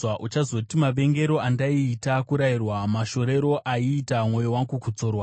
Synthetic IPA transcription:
aʔut͡ʃazo̞timaɓe̞ŋɡe̞ɾo̞andaiːtakuɾairwamaʃo̞ɾe̞ɾo̞ʔaiːtamwo̞jowaŋɡukut͡so̞ːrwa

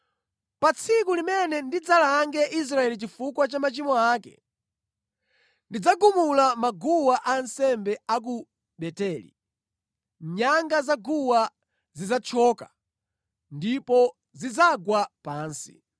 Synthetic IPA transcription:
pat͡sʰikulimɛnɛndid͡zalaːŋɡɛʔis̬ɾaɛlit͡ʃifukwat͡ʃamat͡ʃimɔaːkɛ̰ | ndid͡zaɡumulamaɡuwaʔansɛmbɛak̬u | ɓɛtɛlḭ | ɲaŋɡazaɡuwa | zizat͡ʃʰɔːka | ndipɔ | zid͡zaɡwapaːnsi̥̰

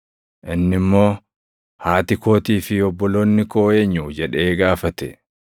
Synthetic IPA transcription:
ʔɪnːɪmːo̞ː | haːt̪ɪko̞ːt̪iːfɪɔbːɔlo̞ːnːɪko̞ːjeɲːud͡ʒɛᶑeːɡaːfɐt̪ɛ̰

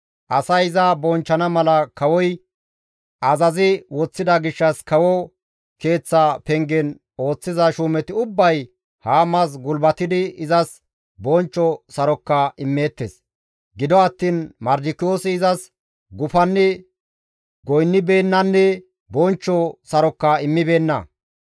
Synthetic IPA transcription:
ʔɐsɐjɪzɐbɔnt͡ʃːɐnɐmɐlɐkɐwɔj | ʔɐzɐzɪwɔt͡sːɪd̪ɐɡɪʃːɐskɐwɔ | ke̞ːt͡sːapɛŋɡɛn | o̞ːt͡sːɪzɐʃuːmɛt̪ɪʊbːɐj | haːmɐs̬ɡʊlbɐt̪ːɪd̪ɪɪzɐs | bɔnt͡ʃːɔsɐɾɔkːɐɪmːe̞ːt̪ːḛs | ɡɪd̪ɔɐt̪ːiːnmɐɾd͡ʒɪkːɪjoːsɪːzɐs | ɡʊfɐnːɛ | ɡɔjnːɪbe̞ːnːɐnːɛ | bɔnt͡ʃːɔsɐɾɔkːɐɪmːɪbe̞ːnːɐ̰

